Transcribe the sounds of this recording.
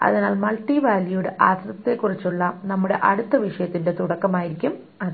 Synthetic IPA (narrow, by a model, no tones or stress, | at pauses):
ɐ̰ðinaːlmɐlʈːiʋaːljuɽɨʔaːsrɐt̪ːe̞kːurit͡ɕːuɭːɐnɐmːuɽe̞ʔɐɽut̪ːɐʋiʂɐjɐt̪ːinde̞t̪uɽɐkːɐmaːjiɾikʲːum | ɐðɨ